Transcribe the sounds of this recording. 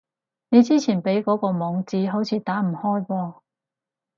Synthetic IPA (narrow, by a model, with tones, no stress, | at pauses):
ne˨˧jt͡siː˥t͡sʰiː˨˩npe˨˥jkɔː˨˥kɔː˧mɔː˨˧ŋt͡siː˨˥ɦo˨˥wt͡sʰiː˨˧t̪aː˨˥m̩˨˩hɔː˥jwɔː˧